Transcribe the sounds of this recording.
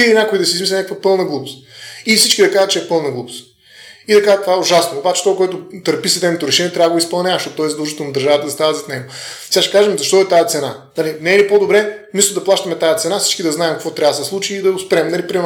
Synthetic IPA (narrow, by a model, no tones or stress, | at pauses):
ilinʲakoid̪ɐsiːzmislɛnʲakvəpɤlˠnəɡlˠubʊst̪ifsit͡ʃkid̪ɐkaʒət̪̚t͡ʃɛɛpɤlˠnɐɡlˠubʊst̪ | id̪ɐkaʒət̪ovaɛʊʒasnoːbat͡ʃɛ̥t̪ɔkoɛt̪ʊt̪əɾpisɐd̪ɛnot̪ʊɾɛʃɛniɛt̪ɾʲavəɡoispɐlˠnʲavɐʃt̪oɔt̪ːɔɛzd̪ˠuʒət̪onɐd̪əɾʒavət̪əzɐst̪avəzɐt̪nɛɡosɛaʃɛ̥kaʒɛmzɐʃt̪ɔtɛt̪ajət̪sɛnanalinɛɛlipod̪obɾɛ | nist̪ʊd̪ɐplˠaʃt̪ɐmɛt̪ajət̪sɛnafsit͡ʃkid̪ɐznaɛmkɐkvɔt̪ɾʲavəsɛslˠut͡ʃiːd̪ɐʊspɛɾɛmnɐlipɾim